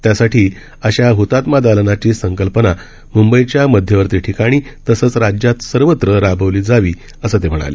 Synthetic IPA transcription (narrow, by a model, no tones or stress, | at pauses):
t̪jasaʈʰiː | əɕaɦut̪at̪mad̪alənat͡ɕiːsəŋkəlpəna | mumbəjt͡ɕjaməd̪ʱjəʋəɾt̪iːʈʰikaɽ̃iːt̪əsəːt͡sɾad͡ʑjat̪səɾʋət̪ɾəɾabʱəʋliːd͡zaʋiː | əsəːt̪em̤əɽ̃a̰le